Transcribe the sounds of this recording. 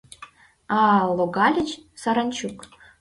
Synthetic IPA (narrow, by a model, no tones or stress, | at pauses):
ɑlˠoɡɑlʲɘ̆t͡ɕsɑɾɑnʲt͡ɕuk